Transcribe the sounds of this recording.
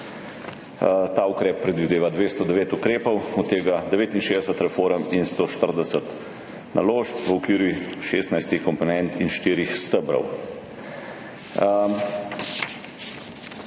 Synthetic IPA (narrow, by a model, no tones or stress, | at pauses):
t̪aːukɾɛːppːɾɛd̪ʋid̪eːʋad̪ʋeːst̪ɔd̪ɛʋeːt̪ukɾeːpɔwɔt̪ːeːɡad̪ɛʋeːt̪inʃeːd̪ɛsət̪ɾɛfoːɾəminst̪oːʃt̪əɾd̪ɛsət̪ | nʔa̰loːʃpʋəɔkʋiːɾjiʃeːst̪najst̪ixkɔmpɔnɛnt̪inʃt̪iːɾixst̪əbɾɔ̰w